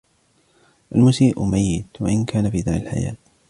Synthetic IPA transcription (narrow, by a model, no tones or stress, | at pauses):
ʔalmʊsiːʔʊ̰majːɪt̪waʔɪnkʰaːnafiːd̪aːɾalħa̰ja̰ːt̪